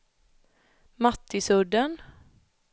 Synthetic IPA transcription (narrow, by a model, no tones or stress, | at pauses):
mɑt̪ɪsʊɖən